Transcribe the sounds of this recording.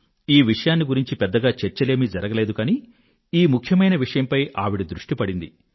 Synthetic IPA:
iːʋiʂɐjaːnːiɡuɾiɲt͡ʃipɛd̪ːɐɡaːt͡ʃeɾt͡ʃɐle̞ːmid͡ʒɐɾɐɡɐleːd̪ukaːniː | iːmukʰːjɐmɐjnɐʋiʂɐjɐmpɐjʔaːʋiɽid̪ɾuʂʈipɐɽind̪i

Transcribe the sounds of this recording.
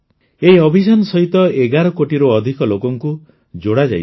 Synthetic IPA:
ejɔbʱisanɔsɔɦit̪ɔeɡaɾɔkoʈiɾoːd̪ʱikɔlokɔŋku | d͡ʒoɽad͡ʒa̰j̰

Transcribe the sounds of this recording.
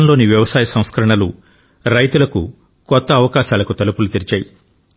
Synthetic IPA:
nlo̞ːniʋjɐʋɐsaːjɐsɐ̃w̃skɐɾɐɳɐlu | ɾɐjt̪ulɐku | kɔt̪ːɐːʋɐkaːʃaːlɐkut̪ɐlupulut̪iɾit͡ʃaːji

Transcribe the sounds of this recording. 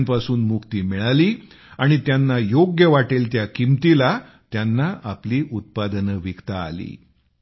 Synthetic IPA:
npasuːnmukt̪iːmiɭaliː | aɽ̃it̪janːajoɡjəʋaʈelt̪jakimt̪ila | t̪janːaapliːʔut̪̚pad̪ənəʋikt̪a̰ːlḭː

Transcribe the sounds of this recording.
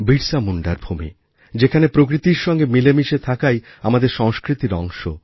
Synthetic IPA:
biɾsamuɳɖaɾbʱumḭ | d͡ʑekʰanepɾokɾit̪iɾʃɔŋɡemilemiʃet̪ʰakaj | amad̪eɾʃɔŋskɾit̪iɾɔ̰ŋʃo

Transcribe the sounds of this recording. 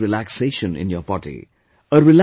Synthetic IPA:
ɾilækseːʃə̃nɪ̰̃njɔpɑʈḭ | əɾɪl

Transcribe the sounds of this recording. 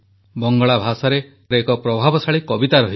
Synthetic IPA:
bɔŋɡɔɭabʱasaɾepɾɔekɔpɾɔbʱabɔsaɭikɔbit̪aɾɔɦi

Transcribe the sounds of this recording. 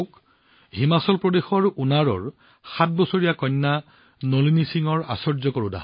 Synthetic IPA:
k | ɦimasɔlpɹɔdexɔɹʔunaɹɔ̰ɹ | xat̚bɔsoɹijakɔjnːa | nolinisiŋɔɹa̰sɔɹzɔkɔɹuda̰

